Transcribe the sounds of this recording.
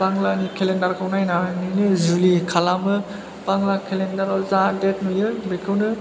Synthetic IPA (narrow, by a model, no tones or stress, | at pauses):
paŋlanikʰelendaɾkʰawnajnanijnɯzulikʰalamɯ | paŋlakʰelendaɾalzadet̚nɯjɯbekʰɯwnɯ